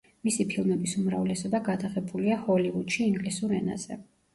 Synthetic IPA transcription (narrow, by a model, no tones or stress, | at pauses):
misipʰilˠmɛbisumɾavlɛsɔbaɡad̪aʁɛbuliahɔlivud̪ʃiːŋɡlisuɾɛ̰na̰z̥ɛ̰